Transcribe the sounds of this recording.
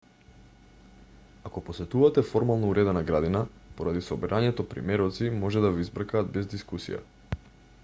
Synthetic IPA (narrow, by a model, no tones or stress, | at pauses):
akɔposɛt̪uvat̪ɛfɔɾmalˠnouɾɛd̪ɛnaɡɾad̪inapoɾad̪isɔbɛɾʔaɲɛt̪ɔpɾḭmɛɾɔt̪simɔʒɛd̪avizbɾakaːd̪̚bɛzd̪iskusḭja̰